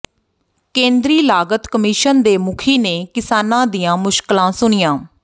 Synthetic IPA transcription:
kẽːnd̪ɾiːlaːɡət̪kəmiʃənd̪eːmʊkʰiːneːkɪsaːnãːd̪ijãːmʊʃklãːsʊɳɪjãː

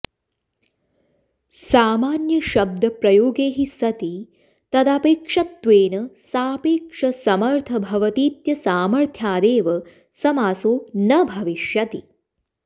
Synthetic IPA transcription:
saːmaːnjɐʃɐb̚d̪ʱɐpɾɐjoːɡeːɦisɐt̪i | t̪ɐd̪aːpeːkʂɐt̪ːʋeːnɐsaːpeːkʂɐsɐmɐɾt̪ʰɐbʱɐʋɐt̪iːt̪jɐsaːmɐɾt̪ʰjaːd̪eːʋɐ | sɐmaːsoːnɐbʱɐʋiʃjɐt̪ḭ

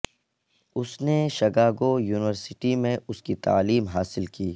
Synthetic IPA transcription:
ʊsneʃɐɡaːɡojuːnɪʋəɾsɪʈimẽʊskit̪a̰ːliːmɦaːsɪlkiː

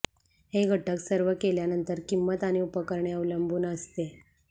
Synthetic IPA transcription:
heɡʱəʈəksəɾʋəkeljanənt̪əɾkimːət̪aɽ̃iupəkəɾɳeəʋləmbʱuːnəst̪e

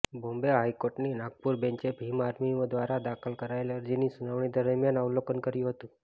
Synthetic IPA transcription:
bombeɦajkoɾʈninaɡ̚puɾbẽɲt͡ʃebʱimaɾmiʋd̪ʋaɾad̪akʰəlkəɾaeləɾd͡ʒinisunaʋɳ̃id̪əɾəɾmjanawlokənkəɾjũɦət̪ũ

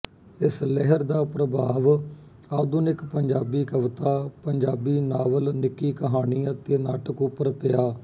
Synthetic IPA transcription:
ɪslɛɦəɾd̪aːpɾəbʱaːʋ | aːd̪ʊnɪkpəɲd͡ʒaːbiːkəʋt̪aːpəɲd͡ʒaːbiːnaːʋəlnɪkːiːkəɦaːniːət̪eːnaːʈəkʊpːəɾpɪjaː

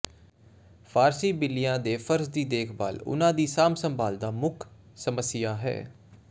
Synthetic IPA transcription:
fʰaːɾsiːbɪlːɪjãːd̪eːpʰəɾsd̪iːd̪eːkʰba̰ːlʊ̰nãːd̪iːsaːmsəmbʱaːld̪aːmʊkʰ | səməsɪjaːɦɛ̰ː

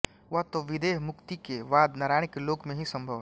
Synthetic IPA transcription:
ʋɐɦt̪oʋɪd̪eːɦmʊkt̪ikeʋaːd̪nɐɾaːɽ̃ɪkeloːɡmẽɦisɐ̃mbʱəʋ

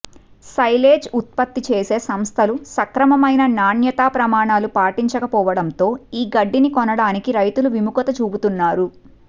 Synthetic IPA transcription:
sɐjleːd͡ʒut̪̚pɐt̪ːit͡ʃeːse̞ːsɐmst̪ʰɐlusɐkɾɐmɐmɐjnɐnaːnjɐt̪aːpɾɐmaːɳaːlupaːʈiɲt͡ʃɐkɐpɔːʋɐɽɐnt̪o̞ːiːɡɐɖːinikɔnɐɽaːnikiɾɐjt̪uluʋimukɐt̪ɐt͡ʃuːbut̪unːaːɾu

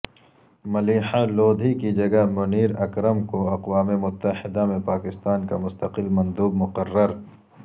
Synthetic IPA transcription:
mɐliːħaloːd̪ʱikid͡ʒɐɡɐmʊniːɾɐkɾəmkoɐqwaːmemʊt̪ːəhɪd̪amẽpaːkɪst̪aːnka̰mʊst̪ɐqɪlmɐ̃nd̪uːbmʊqɐrːəɾ

